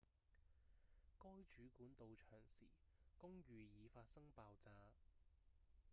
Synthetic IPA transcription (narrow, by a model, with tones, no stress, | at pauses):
kɔː˥jt͡ʃyː˨˥kuː˨˥nt̪o˨˧wt͡ʃʰœː˨˩ŋsḭː˨˩kʊ˥ŋjyː˨˧jiː˨˧faː˧t̚sɐ˥ŋpaː˧wt͡saː˧